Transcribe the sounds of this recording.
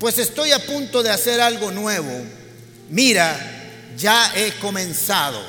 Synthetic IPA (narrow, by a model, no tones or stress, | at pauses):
pwe̞se̞st̪o̞japunt̪oðease̞ɾalɡo̞nwe̞βo | miɾa | d͡ʒae̞ko̞mẽ̞nsaðo̞̰